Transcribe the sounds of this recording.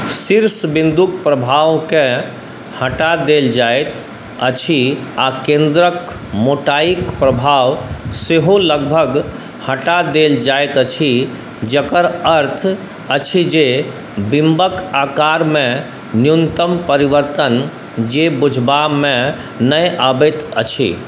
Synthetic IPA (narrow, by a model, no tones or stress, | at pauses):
siɾsbind̪uk̚pɾəbʱawkẽ | həʈad̪eld͡ʒaejt̪ | ət͡ʃʰiakẽnd̪ɾək | moʈaikpɾəbʱawseɦoləɡbʱəɡ | həʈad̪eld͡ʒaejt̪ət͡ʃʰi | d͡ʒəkəɾəɾt̪ʰ | ət͡ʃʰid͡ʒe | bimbəkakaɾmẽ | njunt̪əmpəɾiʋəɾt̪ən | d͡ʒebud͡ʒʱbamẽ | nəjʔabet̪ət͡ʃʰḭ